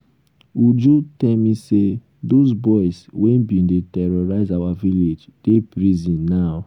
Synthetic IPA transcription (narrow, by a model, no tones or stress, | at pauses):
wud͡ʒutɛlmise | dosbɔɪswɛ̃nbĩndetɛɹɔɹaɪzawaviled͡ʒd̥epɹizĩnːaʊ